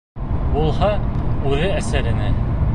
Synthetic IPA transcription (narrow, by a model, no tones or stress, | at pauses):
ulˠɦɑʉɾɘæsæɾɘ̆næ